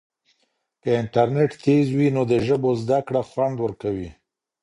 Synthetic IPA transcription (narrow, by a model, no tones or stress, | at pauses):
kəɪnʈaɾneʈt̪ʰezwinod̪əʒəbozd̪akɽaxwand̪wəɾkawi